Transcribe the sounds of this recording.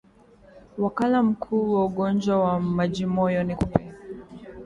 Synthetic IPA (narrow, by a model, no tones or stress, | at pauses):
wakalam̩kʰuːwauɠɔnd͡ʒwawamaʄimɔjɔnikupɛ